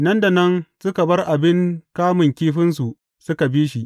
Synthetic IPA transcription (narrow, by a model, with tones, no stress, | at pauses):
nɐ˦nda˨nɐ˦nsʊ˦ka˨bɐ˦rʔa˨bɪ˦ŋkaː˦mɪ˨ŋkʲiː˦ɸɪ˦ns̬u˨ʔ | sʊ˦ka˨biː˦ʃi˦ʔ